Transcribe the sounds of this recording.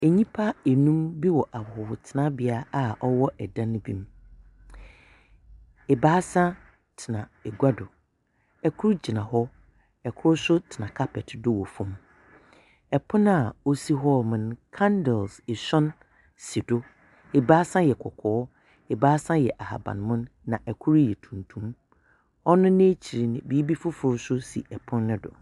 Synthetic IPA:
ɛ˨ɲĩ˦pʰa˦ɛ˨nũ˦mbi˦wɔ˨ʔa˨hʊ˨wʊ˨tʰɪ˨nã˦bɪ˦a˦a˨ʔɔ˦wɔ˦ʔɛ˨dã˦nʊ̃˦bḭ̃˦m | ɛ˨baː˦sã˦ | tʰɪ˨nã˨ɛ˨ɡʷa˦dʊ˨ | ɛ˨kʰʊ˦ɾd͡ʑi˨nã˨ɦɔ˦ | ɛ˨kʰʊ˦sʊ˦tʰɪ˨nã˨kʰa˦pʰɛ˨tdʊ˦wɔ˨fʊ̃˦m | ɛ˨pʰʊ̃˦n˦a˨o˦si˦ɦɔ˦mɪ̃˨n˨kʰã˦ndɛ˨lsɪ˨sɔ̃˦n | si˨dʊ˦ | ɛ˨baː˦sã˦jɛ˨kʰɔ˨kʰɔː˨˦ | ɛ˨baː˦sã˦jɛ˨ʔa˨ha̰˨bã̰˨n˨mʊ̃˦nːã˨ʔɛ˨kʰʊ˦ɾjɛ˨tʰũ˨ntʰũ˦m | ɔ˦nʊ̃˦nẽ˦t͡ɕʰi˨ɾi˨nɪ̃˨biː˨˦bi˦fʊ˦fʊ˨ɾʊ˦sʊ˦sḭ˨ʔɛ˨pʰʊ̃˦n˦nʊ̃˦dʊ̰˨

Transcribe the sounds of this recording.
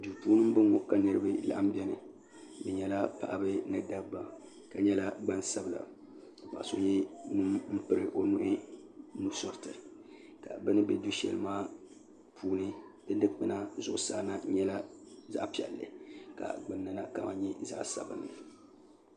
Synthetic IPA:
du˨tuː˦nɨ˦m˦bɨ˦ŋɔ˨ka˨nɨ˦ɾɨ˦bɨ˦la˨ʔa˦m˦bɛ˦nɨ˨ | bɨ˨ɲɛ˦la˦pa̰˨ʔa˦bɨ˦nɨ˦da˦bba˨ | ka˨ɲɛ˦la˦ɡ͡ba˦nsa˨bɨ˨la̰˨ | k͡pa̰˨ʔso˦ɲɛ˦nɨ˦mm̩˦pɨ˦ɾɨ˨ʔo˦nʊ˦ʔɪ˦nu˦sɔ˨ɾtɨ˨ | ka̰˨bɨ˦nɨ˦bɛ̰˦du˦ʃɛ̰˨lɨ˨maː˦ | pʰuː˦nɨ˦bɨ˦dɨ˦k͡pɨ˨na˦zʊ˨ʔʊ˨saː˦˨na˦ɲɛ˦la˦za̰˦ʔpi˨ɛ̰˨lːɨ̰˨ka̰˨ɡ͡bɨ˨nːɨ˨na˦ka˨ma̰˨ɲɛ˦za̰˦ʔsa̰˨bɨ̰˨nː˨ɨ˨

